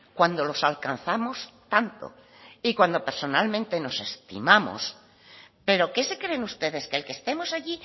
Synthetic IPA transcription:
kwand̪o̞lo̞salkan̟θamo̞st̪ant̪o̰ | ikwand̪o̞pe̞ɾso̞nalmẽnt̪e̞no̞se̞st̪ḭmamo̰s | pe̞ɾo̞ke̞se̞kɾe̞nust̪e̞ðe̞skelkest̪e̞mo̞saʝi

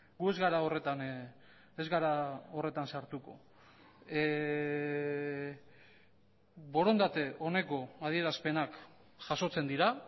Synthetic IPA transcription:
ɡue̞zɣaɾaore̞t̪an | ezɣaɾao̞re̞t̪ansaɾt̪uko̞̰ | βo̞ɾo̞nd̪at̪e̞ʔo̞ne̞ko̞að̞ie̞ɾaspe̞nak | ʝaso̞t͡se̞nd̪iɾa

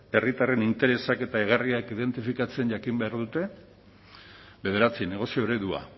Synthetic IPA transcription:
e̞rit̪are̞nint̪e̞ɾe̞sake̞t̪aeɣariakiðe̞nt̪ifikat͡se̞nɟakimbeaɾðut̪e̞ | βe̞ðe̞ɾat͡sine̞ɣ̞o̞sioeɾeðua̰

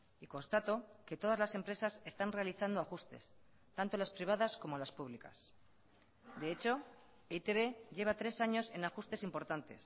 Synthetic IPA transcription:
ikõ̞nst̪at̪o̞ket̪o̞ð̞azlase̞mpɾe̞sase̞st̪anre̞aliθand̪oaxust̪e̞̰s | t̪ant̪o̞laspɾiβ̞aðasko̞mo̞laspuβlika̰s | d̪e̞et͡ʃo̞ | eit̪eβe̞ʝe̞β̞at̪ɾe̞saɲo̞se̞naxust̪e̞simpo̞ɾt̪ant̪e̞̰s

